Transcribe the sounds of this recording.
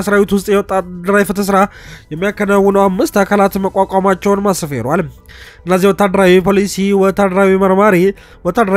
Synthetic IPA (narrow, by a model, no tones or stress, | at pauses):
sɾawit̪wʊst̪ʼjɛwɔt̪ʼːad̪əɾajifɨt̪ʰəs̬ɾajɛmːijakːənawːɨnəwamːɨst̪akʰalat̪məkʼakʼamat͡ʃːɛwnmasɨfeɾal | ɨnːəzihwɔt̪ʰːad̪əɾawipʰolisiwɔt̪ʰːad̪əɾawiməɾmaɾi | wɔt̪ʰːad̪əɾa